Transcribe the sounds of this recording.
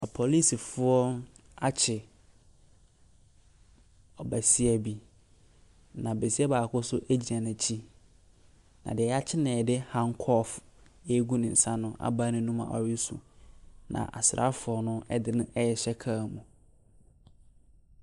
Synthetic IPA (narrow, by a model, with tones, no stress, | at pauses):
a˨pʰo˨li˦si˨fʊ˦ɔ˦ | a˦t͡ɕʰɪ˨ | ɔ˨bæ˨si˦ɛ˨bi˨ | nã˨be˨si˦ɛ˦baː˨kʰʊ˦sʊ˦ʔæ˦d͡ʑi˨ã˨nã˨t͡ɕʰi˦ | nã̰˨dɪ˨ɛ˨˦a˦t͡ɕʰɪ˦nɛ̃˨dɪ˦hã˦ŋkʰɔ˦f | ɛ˦ɡu˦nɪ̃˨n̩˨sã˦nʊ̃˦ʔa̰˨ba˦nɪ̃˦nũ˦mã̰˨ʔɔ̰˨ɥɪ˦sṵ˨nã̰˨ʔa̰˨sɾʔa̰˦fʊ˨ɔ˨nʊ̃˦ɛ˦dɪ˦nʊ̃˦ɛ˦jɛ˨ɕɛ˦kʰaː˦˨mũ˨